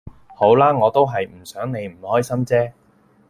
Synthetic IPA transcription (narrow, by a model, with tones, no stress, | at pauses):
ho˨˥wlaː˥ŋɔː˨˧t̪o˥wɦɐ˨jm̩˨˩sœː˨˥ŋne˨˧jm̩˨˩hɔː˥jsɐ˥mt͡sɛː˥